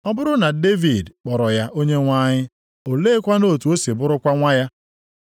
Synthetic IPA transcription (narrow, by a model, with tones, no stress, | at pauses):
ɔ˦bʊ˦ɾʊ˦na˨de˦vi˨dk͡pɔ˨ɾɔ˨ja˦ʔo˦ɲe˦ŋʷa˦ɲɪ˦ | o˨leː˦kʷa˦no˦˨tu˨o˦se˨bʊ˦ɾʊ˦kʷa˦ŋʷa˦ja˦